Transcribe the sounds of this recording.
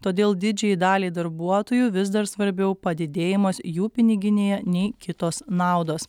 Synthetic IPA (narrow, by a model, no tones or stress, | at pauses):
t̪oːd̪ʲeːlˠd̪ʲɪd͡ʒʲɛjid̪ɑːlʲiːd̪ɐɾbuɔt̪oːjuːʋʲɪz̬d̪ɐɾsʋɐɾʲbʲɛʊpɐd̪ʲɪd̪ʲeːjɪmoːsjuːpʲɪnʲɪɡʲɪnʲeːjɛnʲɛɪkʲɪt̪oːsnɑˑʊd̪oːs